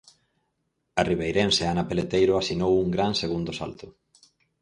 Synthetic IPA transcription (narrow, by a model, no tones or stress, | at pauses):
ɐriβ̞ejɾenseanapelet̪ejɾʊasinowuŋɡɾanseɣ̞und̪ʊsa̰lt̪ʊ